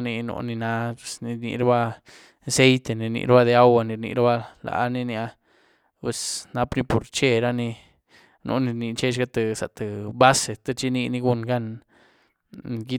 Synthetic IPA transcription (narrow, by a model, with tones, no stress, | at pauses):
ni˧no̰˧ni˧na˧pe˨sni˧ɾnḭ˧ɾa˦ba˦˧ | se˦jt̪e˨ni˨ɾnḭ˧ɾba˦d̪e˧a˦wa˧ni˧ɾnḭ˧ɾa˦ba˦la̰˨˦ni˦nja˦ | pwe˨sna˧pni˦po˨ɾt͡ʃe˦˨ɾa˦ni˧ | nʔo̰˧˦ni˧ɾni˧t͡ʃe˦t͡ʃɡa˦t̪e˧sa˨ʔt̪e˨ba˦se˨t̪a˦t͡ʃi˦ni˧ni˧ɡu˧nɡa˦˧n | ɡi˦